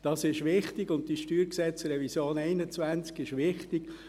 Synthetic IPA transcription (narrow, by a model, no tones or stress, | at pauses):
d̥ɑsɪʃvɪχtɪɡʊnt̚d̥iʃtyːɾksɛt͡srɛvisjoːnɛɪnət͡svænt͡skɪʃvɪχtɪɡ̥